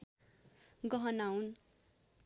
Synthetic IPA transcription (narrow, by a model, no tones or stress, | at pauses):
ɡʌɦʌnawn